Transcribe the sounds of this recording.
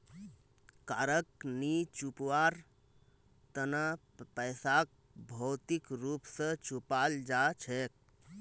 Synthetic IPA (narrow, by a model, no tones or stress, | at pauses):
kaɾəknit͡ʃupwaɾ | t̪əna | pəjsak̚ | bʱəwt̪ikɾupsə̃t͡ʃupald͡ʒat͡ʃʰɛk̚